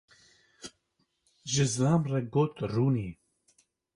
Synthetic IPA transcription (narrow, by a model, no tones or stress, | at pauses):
ʒɨzlɑːmrɛɡoːt̪ruːniː